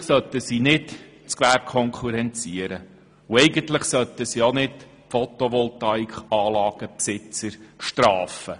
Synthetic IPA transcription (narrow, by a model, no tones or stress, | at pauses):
sœt̪ːəsiːnɪt | t͡skʋæɾp̚kʰɔŋkʰuɾɛnt͡siəɾə | ʊɛjɡəntlɪχsœt̪əsionɪt | fɔt̪ɔʋɔltɑikχɑːlɑːɡ̥əpsɪt͡səɾʃtɾɑːfə